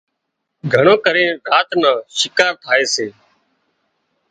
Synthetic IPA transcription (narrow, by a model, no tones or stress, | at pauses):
ɡʱəɳõːkəɾẽːɾaːt̪nãːʃɪkaːɾt̪ʰaːeːseː